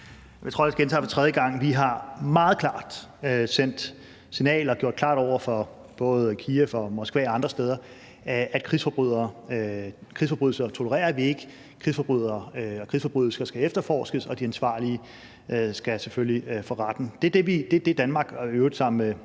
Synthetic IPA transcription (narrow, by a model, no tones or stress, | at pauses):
mit͡sʰo̰ːesɡ̥ent͡sʰɛ̰ːfɒ̽t͡sʰʁɛð̞ˠjəɡ̥ɑ̈ŋ̰ʋiɦɑ̈mɑ̈ːð̞̩ˠkʰlɑ̈ːd̥øsen̰d̥ | sinɛ̰ːlɒ̽ɡ̥jo̝̰d̥kʰlɑ̰̈ːɾ̥ɒʊ̰ɐfɒ̽ | b̥ɔ̽ːð̞̩ˠkʰiːæfɒ̽mɒ̽sɡ̥ʋɛːɑ̈nd̥ʁɐsd̥eːð̞ˠɐ | æd̥̚kʰʁisfɒb̥ʁuð̰ˠɐː | kʰʁisfɒb̥ʁyðˠl̩sɐt͡sʰo̝ləʁɛ̰ːɐʋie̝ɡ̥ə | kʰʁisfɒ̽b̥ʁyð̰ˠɐːɒkʰʁisfɒ̽b̥ʁyðˠl̩sɐsɡ̥æefd̥ɐfɒ̰ːsɡ̥əsɒ̽d̥iænsʋɑ̰̈ːliə | øsɡ̥æseføllifɒʁɑd̥n̩d̥e̝æd̥e̝ʋid̥e̝d̥e̝d̥ænmɑ̈ːɡ̥øʊd̩ˠsɑ̈m̰n̩e